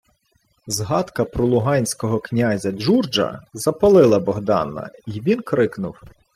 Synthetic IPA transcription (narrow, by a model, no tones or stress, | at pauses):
zɦɑt̪kɐpɾɔlˠʊɦɑnʲsʲkɔɦɔknʲazʲɐd͡ʒurd͡ʒɐ̰zɐpɐlˠɪlˠɐbɔɦd̪ɑ̰nɐ̰iʋʲinkɾɪknʊw